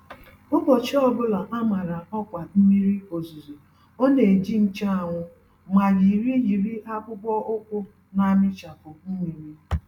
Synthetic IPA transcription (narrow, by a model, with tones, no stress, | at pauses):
ʊ˦bɔ˨t͡ʃɪ˦ɔ˦bʊ˦la˨ʔa˦ma˨ɾa˨ɔ˦kʷa˨m̩˦mi˦ɾi˦o˨zu˨zo˨ | o˦ne˨d͡ʒi˦n̩˦t͡ʃa˦a˨ŋʷʊ˦ | ma˨ɾi˨ɾi˦ji˨ɾi˦ʔa˦kʷʊ˦bɔ˦ʔʊ˦kʷʊ˦ | na˦mɪ˦t͡ʃa˨pʊ˨m̩˦mi˨ɾi˦